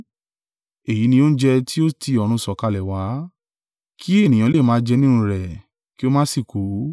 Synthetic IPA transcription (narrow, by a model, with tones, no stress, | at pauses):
e˨ji˨˦nĩ˧o˦n̩˦d͡ʒɛ˧tʰi˦o˦ti˧ɔ˧ɾ̃ũ˧sɔ˨ka˧lɛ˨wa˨˦ | kʰi˦e˦˨nĩ˨j̃ã˨˦le˦˨mãː˨˦d͡ʒɛ˧nĩ˦nũ˧˦ɾɛ˨ | ki˦o˦mãː˦si˦˨ko˨˦